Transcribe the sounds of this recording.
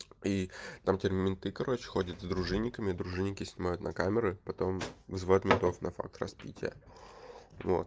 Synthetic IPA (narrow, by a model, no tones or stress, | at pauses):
it̪amtʲɪrmʲmʲɪnt̪ɨkɐɾʔo̞t͡ɕɪ̥xo̞dʲət̪zd̪ɾʊʐɨnʲːɪkəmʲɪd̪ɾʊʐɨnʲːɪkʲɪsʲnʲɪmajʊt̪nɐkamʲɪɾɨpɐt̪o̞mvzɨvot̪mʲɪnt̪o̞fnʔɐfa̰k̚t̪rɐ̰spʲḭtʲɪ̰jə̰ | vo̞̰t̪